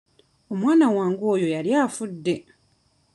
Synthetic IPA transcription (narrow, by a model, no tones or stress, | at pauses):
o̞mwaːnawaːŋɡo̞ːjo̞jaljaːfudːe̞